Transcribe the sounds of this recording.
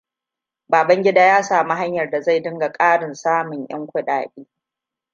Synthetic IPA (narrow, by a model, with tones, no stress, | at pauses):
baː˨bɐ˦ŋɡʲɪ˦daː˦jaː˦saː˨mi˦ɦa˦ɲjɐ˨rda˨za˦˨jdɪ˦ŋɡa˨kʼaː˦ɽɪ˨nsaː˦mʊ˨ɲj̰ɐ̰˦ŋkʷʊ˦ɗa̰ː˨kʲʼiː˦